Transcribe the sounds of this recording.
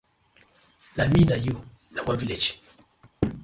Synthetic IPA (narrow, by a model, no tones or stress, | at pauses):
naminajunawaviled͡ʒ